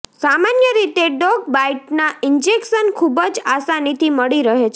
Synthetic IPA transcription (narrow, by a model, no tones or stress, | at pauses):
samanjəɾit̪eɖɔɡ̚baiʈnaind͡ʒekʃənkʰubəd͡ʒasanit̪ʰiməɭiɾəɦet͡ʃʰ